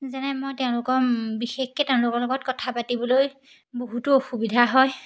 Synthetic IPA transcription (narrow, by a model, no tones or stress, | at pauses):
zanɛmojtɛʊ̃lʊkɔbixexkɛtɛʊ̃lʊkɔlɔɡɔt̚kɔtʰapatibɔloj | boɦutʊoxubidʱaɦɔj